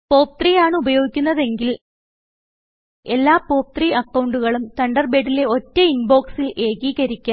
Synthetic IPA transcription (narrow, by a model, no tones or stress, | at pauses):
po̞ːp̚t̪rijaːɳɨubɐjo̞ːɡikʲːunːɐðe̞ŋɡil | e̞lːaːpo̞ːp̚t̪riʔɐkːɐwɳɖuɣɐɭumt̪ɐɳɖɐrbe̞ːʈːile̞o̞tːeinbo̞ːksilʔe̞ːɣiːɣɐɾikʲːa